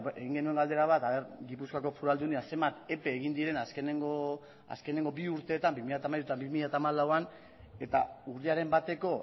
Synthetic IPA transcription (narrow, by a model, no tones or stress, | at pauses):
eɣiŋɡe̞nue̞ŋɡald̪e̞ɾaβat̪aβe̞ɾɡipuskako̞fuɾald̪uniase̞mbat̪e̞pe̞ːɣind̪iɾe̞naskeneŋɡo | a̰ske̞ne̞ŋɡo̞biuɾt̪e̞ːt̪ambimiʎat̪amajɾut̪ambimiʎat̪aːmalawan | e̞t̪auriaɾe̞mbat̪e̞ko̞